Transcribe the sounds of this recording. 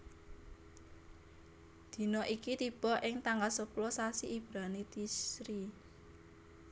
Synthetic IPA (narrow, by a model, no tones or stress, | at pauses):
d̪̥i̤nɔʔikit̪ib̥ɔ̤ʔɪŋt̪aŋɡalsəplosasiʔib̥ɾanit̪isɾi